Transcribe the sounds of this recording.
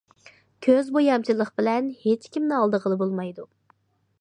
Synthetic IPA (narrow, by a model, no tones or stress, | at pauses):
kʲʰøzbojɑmt͡ʃʰilˠəχb̥ɪlɛnhet͡ʃkʲimnɪɑlˠd̪əʁəlˠɨbolˠmɑjd̪u